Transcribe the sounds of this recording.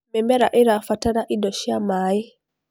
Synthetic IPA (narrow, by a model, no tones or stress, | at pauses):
mɛmɛɾaʔiɾafataɾaʔidɔʃiamaːi